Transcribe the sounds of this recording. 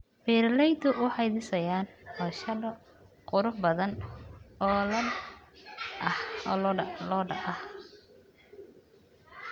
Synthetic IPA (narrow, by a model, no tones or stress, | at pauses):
bɛɾlɛjd̪ʊʔʊħɑjðɪsɐjaːnɔːʃɐdɔ | qʊɾʊħbɐðɐnɔːlɐ | ɐhɔːlɔːɖɐɐh